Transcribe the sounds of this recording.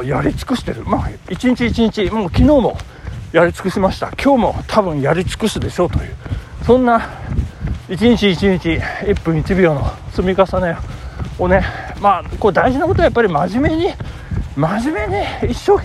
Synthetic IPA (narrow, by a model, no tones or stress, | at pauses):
jaɾʲit͡sɨ̥kɯ̟ɕi̥t̪e̞̰ɾɯ̟maːit͡ɕiɲ̟it͡ɕiːt͡ɕiɲ̟it͡ɕimo̞ːkʲino̞ːmo̞̰ | jaɾʲit͡sɨ̥kɯ̟ɕimaɕi̥t̪a̰kʲʰo̞ːmo̞̰t̪ʰabɯ̟̃ɰ̃jaɾʲit͡sɨ̥kɯ̟sɨd̪e̞ɕo̞t̪o̞jɯ̟ːsõ̞nːa | it͡ɕiɲ̟it͡ɕiːt͡ɕiɲ̟it͡ɕiipːɯ̟̃ɰ̃it͡ɕibʲiono̞sɨmʲikasaneone̞maːko̞d̪aiʑinako̞t̪oajapːaɾʲimaʑime̞ɲi | maʑime̞ɲ̟iːɕːo̞ː